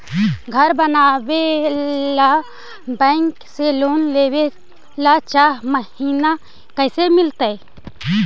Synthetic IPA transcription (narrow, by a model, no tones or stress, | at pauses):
ɡʱəɾbənabela | bɛɪŋkseloːnleːwe | lat͡ʃaːɦməhiːna | kəsemɪlt̪ə